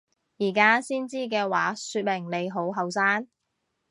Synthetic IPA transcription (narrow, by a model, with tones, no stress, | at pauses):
jiː˨˩kaː˥siː˥nt͡siː˥k̬ɛː˧waː˨˥syː˧t̚mɪ˨˩ŋne˨˧jɦo˨˥wɦɐ˨˧wsaː˥n